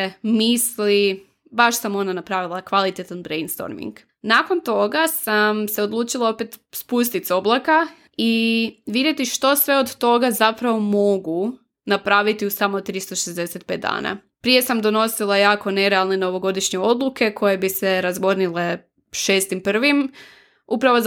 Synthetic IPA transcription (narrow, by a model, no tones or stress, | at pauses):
misli | baʃsamo̞nanapɾaːʋilˠakʋalˠit̪et̪anbɾejnst̪o̰ɾmḭŋɡ | nakont̪o̞ɡasamse̞o̞d̪lˠuːt͡ʃilˠao̞pet̪spus̬t̪it̪so̞blˠaka | iʋid̪je̞t̪iʃt̪o̞sʋe̞o̞d̪t̪o̞ɡazapɾaʋo̞mo̞ɡu | napɾaːʋit̪iusamot̪ɾist̪o̞ʃezd̪eset̪̚pet̪d̪a̰ːna̰ | pɾije̞samd̪o̞no̞silˠajaːko̞ne̞ɾealˠneno̞ʋo̞ɡo̞d̪iʃɲeo̞d̪lˠuke̞kʰo̞je̞bise̞ɾazɡo̞ɾnile̞ | ʃeːst̪impr̩ʋim | upɾaʋo